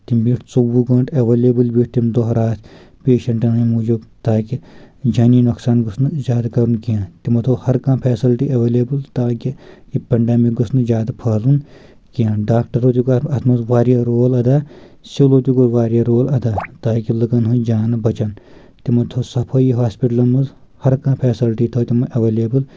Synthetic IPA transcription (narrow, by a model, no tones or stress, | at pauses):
t̪imbiːʈt͡sowuɡɐɳʈɐʋeːleːbɨlbiʈt̪imd̪oɦɐɾaːt̪ | peːʃɐɳʈɐnɦĩmud͡ʒubt̪aːkid͡ʒɐːniːnuksaːnɡusnuzʲaːd̪kɐɾunkijãːt̪imɐt̪ʰohɐɾkãːmpʰɛːsilʈiʔɐʋeːleːbɨlt̪aːkiipɐɳɖeːmik̚ɡɐsnɨzʲjaːd̪apʰɐːlun | kijãːɖaːk̚ʈɐɾoːt̪ikoɐt̪ʰmɐzʋaːɾijaːɾoːlɐd̪aː | siloːt̪ikoʋaːɾijaːɾoːlɐd̪aːt̪aːkilɨɡɐnɦũd͡ʒaːnɐbɐt͡ʃɐn | t̪imɐt̪ʰoːsɐpʰɐjiɦaːspiʈlɐnmɐz | hɐɾkãːpʰeːsilʈiːt̪ʰoːt̪imɐʔɐʋeːleːbɨl